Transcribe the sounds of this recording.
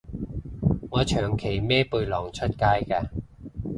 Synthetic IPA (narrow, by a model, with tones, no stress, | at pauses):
ŋɔː˨˧t͡ʃʰœː˨˩ŋkʰe˨˩jmɛː˥pu˧jlɔː˨˩ŋt͡ʃʰɵ˥t̚kaː˥jkaː˧